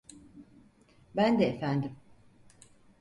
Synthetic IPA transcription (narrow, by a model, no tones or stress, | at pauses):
bænd̪ɛːfænd̪im